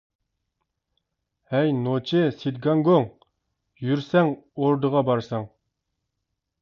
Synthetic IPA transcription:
hɛjnot͡ʃʰɪsid̪ɡɑŋɡoŋ | jyɾsɛŋoɾd̪əʁɑbɑɾsɑŋ

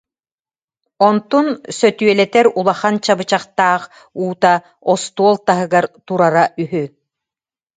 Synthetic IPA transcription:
ɔnt̪unsœt̪yœlɛt̪ɛɾulˠaχant͡ɕabɯt͡ɕaχt̪aːχ | uːt̪a | ɔst̪uɔlˠt̪aɦɯɡaɾt̪uɾaɾaʔyɦy

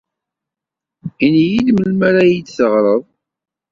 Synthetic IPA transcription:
injilməlmæɾæjid̪θəʁɾˤəðˤ

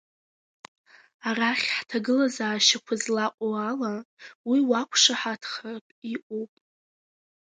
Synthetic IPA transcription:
araχʲħtʰaɡɨlazaːʃakʷʰazlaqʷʼoalawiwakʷʰʂaħatʰχarɨpʼiʔʷʼopʼ

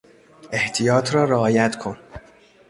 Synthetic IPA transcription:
ʔe̞ht̪ʰijɒːt̪ʰɾɒːɾeɒːjæt̪ʰkʰon

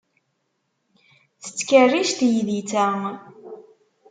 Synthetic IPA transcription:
θə̥t͡sːkərːiʃt̪jiðit͡sæ

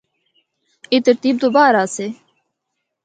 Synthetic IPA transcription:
it̪əɾt̪iːb̚d̪obaːɾaːseː

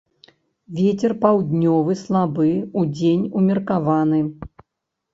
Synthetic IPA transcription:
vʲɛt͡sʲɛrpawd̪ʲnʲɔvɨslˠabɨud͡zʲenʲumʲɛrkavanɨ

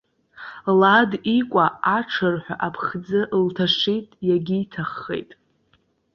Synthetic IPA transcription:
ladikʷʼaaʈ͡ʂʰɨrħʷᶣa̰ʔapʰχd͡zɨʔltʰaʂejtʼjaɡʲiːtʰaχːḛjtʼ

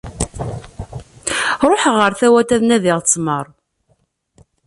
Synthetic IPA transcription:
ɾˤoħʁəɾθæwæt̪æðnæðɪʁt͡sːməɾˤ

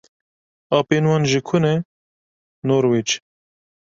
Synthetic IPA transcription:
ɑːpeːnwɑːnʒikʰʊnɛ | noːɾwit͡ʃ

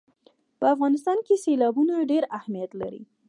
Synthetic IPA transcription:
pəafɣɑnɪst̪ɑnkeselɑbunoɖeɾahmijat̪la̰ɾḭ

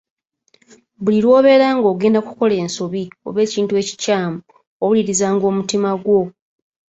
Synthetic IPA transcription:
buliɾwo̞ːβe̞ːɾaːŋɡo̞ːɡe̞ːndakuko̞le̞ːnsoβio̞̰βe̞ːciːntue̞ːci̥caːmu | oβuliɾizaːŋɡo̞ːmutimaɡwo̞

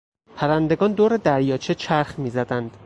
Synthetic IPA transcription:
pʰæɾænd̪e̞ɡɒːnd̪oːɾe̞d̪æɾjɒːt͡ʃʰet͡ʃʰæɾxmiːzæd̪ænd̪̥

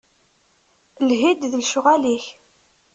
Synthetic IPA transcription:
lɦid̪ðəlʃʊʁæliç

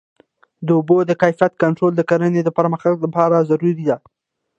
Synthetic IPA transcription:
d̪əʊbod̪əkajfijat̪̚kaɳʈɾold̪əkaɾəned̪əpəɾməxt̪aɡlapɑɾazaɾuɾid̪a

